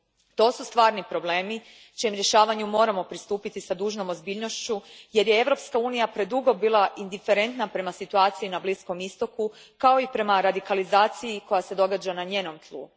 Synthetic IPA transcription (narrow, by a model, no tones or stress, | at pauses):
t̪o̞ːsust̪ʋaːɾnipɾo̞ble̞ːmi | t͡ʃimɾje̞ʃaːʋaɲumo̞ːɾamo̞pɾist̪uːpit̪isad̪uːʒno̞mo̞zbiːʎno̞ʃt͡ɕuje̞ɾjee̞ʋɾo̞pskauːnijapɾe̞d̪uɡo̞biːlˠaʔind̪ife̞ɾe̞nt̪napɾe̞masit̪uaːt̪siinablisko̞mist̪o̞ku | kao̞ipɾe̞maɾad̪ikalizaːt̪sijiko̞jase̞d̪o̞ɡad͡ʒanaɲeːno̞mt̪lˠṵ